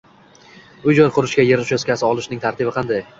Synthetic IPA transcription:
ʊd͡ʒɒlˠqʰʊɾɪʃkʲajeɾɪʃoskʲasɪɒlˠɪʃnɪŋt̪ʰaɾt̪ɪbɪqʰɑnd̪aj

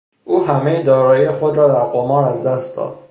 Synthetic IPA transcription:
ʔuːɦæmejd̪ɒːɾɒːjijexod̪ɾɒːd̪æɾɡomɒːɾæzd̪æst̪d̪ɒ̰ːd̪̥̚

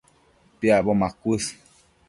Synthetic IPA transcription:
pjabɔmãkʷəs

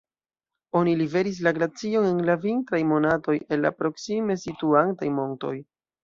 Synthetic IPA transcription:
o̞nilive̞ɾis̬laɡɾat͡sio̞ne̞nlaviŋtɾajmo̞nato̞je̞nla̰pɾo̞ksimesituantajmo̞nto̞̰j

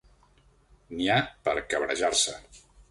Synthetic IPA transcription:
niapə̰ɾkəβɾə̰ʒarsə

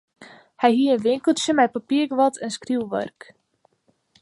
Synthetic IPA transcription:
hɛjɦiəənʋɪŋkəlˠsəmɛjpapiərɡəʋɔtʰɛnskriwʋœ̰rk

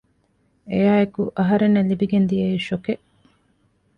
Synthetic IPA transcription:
ejaːekuʔɐɦɐɾenːelibiɡend̪ijeiʃoke

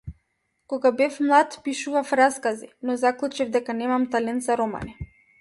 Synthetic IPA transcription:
kɔɡabɛfmlˠat̪piʃuvafɾaskazinɔzaklˠut͡ʃivd̪ɛkanɛmamt̪alɛnt̪zaɾɔma̰ni

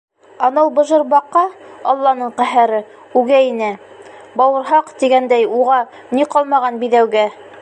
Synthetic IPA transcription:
ɑnɤwbɤ̆ʒɤ̆ɾbɑqːɑɑlˠːɑnɤɴqæɦæɾɘ | ʉɡæinæ | bɑwɤ̆ɾɦɑqt̪iɡænd̪æjuʁɑ | niqɑlˠmɑʁɑnbiðæwɡæ

